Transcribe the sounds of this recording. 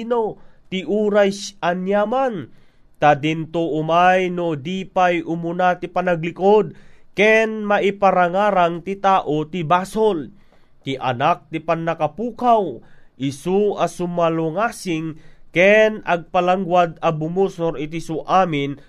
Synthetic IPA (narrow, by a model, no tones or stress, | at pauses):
not̪ɪʔuːɾasʔanjaman | t̪ad̪ɪnt̪oʔʊmajnod̪iːpajʔʊmʊnat̪ɪpanaɡlɪkod̪̚kɛnmaʔipaɾaŋaːɾaŋt̪ɪt̪aːʔot̪ɪbaːsol | t̪ɪʔa̰nak̚t̪ɪpanːɐkapuːkawʔɪsuasʊmaloŋaːsɪŋkɛnɐɡ̚palaŋɡwad̪ɐbʊmusoɾɪt̪̬isuʔaːmɪn